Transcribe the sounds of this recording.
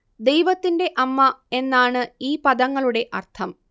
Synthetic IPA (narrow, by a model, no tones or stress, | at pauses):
d̪e̞jʋɐt̪ːinde̞ʔɐmːɐe̞nːaːɳɨiːpɐðɐŋːɐɭuɽe̞ʔɐrt̪ʰɐm